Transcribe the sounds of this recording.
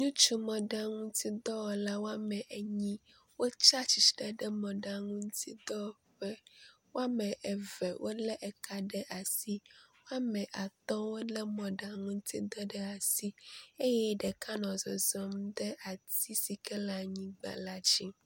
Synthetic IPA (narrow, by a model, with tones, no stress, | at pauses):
ɲũ˦t͡ʃu˦mɔ̃˨ɖa˦ŋũ˦t̪i˦d̪ɔ˦wɔ˨la˦wo˦a˦mɛ̃˨ʔe˨ɲĩ˦ | wo˦t͡ʃa˦t͡ɕi˨t͡ʃɖɛ˨ɖɛ˦mɔ̃˨ɖa˨ŋũ˦nũ˦t̪i˦d̪ɔ˦˨ɸɛ˦wo˦a˦mɛ̃˨ʔɛ˨vɛ˨wʔo̰˦lɛ˦ʔɛ˨ka˦ɖɛ˦ʔa˨si˦wo˦a˦mɛ̃˨ʔa˨t̪ɔ̃˦wo˦lɛ˦mɔ̃˨ɖa˨ŋũ˦n˦t̪i˦d̪ɔ˦ɖɛ˦a˨si˦e˦jɛ˦ɖɛ˨ka˦nɔ̃˨zɔ˨zɔ˦md̪ɛ˦ʔa˨t̪i˦si˨kɛ˦la˨ɲĩ˦ɡ͡ba̰˨la˦d͡ʑi˦